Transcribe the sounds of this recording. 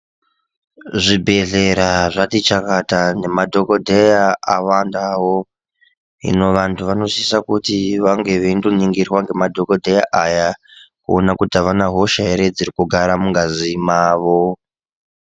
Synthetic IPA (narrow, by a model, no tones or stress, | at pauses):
ʐibʱe̞ɮe̞ɾaʐatit͡ʃakatane̞madʱo̞kodʱejaawandawo | ḭno̞ʋantʰuʋano̞sisakutiʋaŋɡe̞ʋendoniŋɡirwaŋɡe̞madʱokodʱeja̰ʔajakṵonakutaʋanaɦo̞ʃaeɾed͡zirikuɡʱaɾamuŋɡazimaːʋo